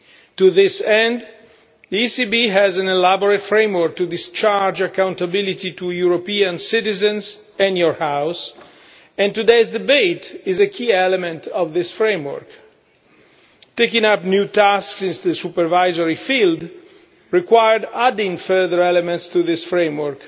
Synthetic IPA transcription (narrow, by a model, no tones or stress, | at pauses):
t̪uðɪsɛ̃nd̪ | ðiisibiɦɛzæ̃nɛlabɔɹətfɹẽjmwəɹk̚t̪udɪst͡ʃaɹd͡ʒakãw̃nt̪abɪlit̪it̪ujuɹopiãnsɪtɪzɛ̃nz | ɛ̃njɔɹhaws | ɛ̃nt̪udeɪzdɪbetɪzəkʰiɛlɛmɛ̃nt̪ʰɔvðɪsfɹẽjmwə̰ɹk | t̪ekĩŋapnjut̪asksɪ̃nsðəsupəɹvajzɔɹifild̪ | ɹikwajəɹdadɪ̃ŋfɜ˞ðəɹɛlɛmɛ̃ntst̪uðɪsfɹẽjmwəɹk